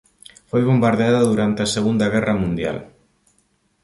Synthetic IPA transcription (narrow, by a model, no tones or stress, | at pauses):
fojβombaɾðeaðaðuɾant̪easeɣund̪ɐɣɛrɐmũnd̪ja̰l